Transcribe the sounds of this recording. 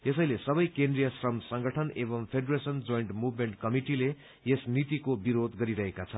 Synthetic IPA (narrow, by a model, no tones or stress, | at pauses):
esʌjlesʌbʌjkendrijasrʌmsʌŋɡʌʈʰʌnebʌmpʰeɖresʌnd͡zojɳʈmubmeɳʈ̚kʌmiʈile | esnit̪ikobiɾod̪ɡʌɾiɾʌɦekat͡sʰʌn